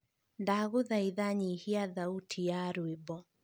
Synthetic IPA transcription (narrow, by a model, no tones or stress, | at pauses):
ndaɣoðaiðaɲihiaðautʰijaɾwebɔ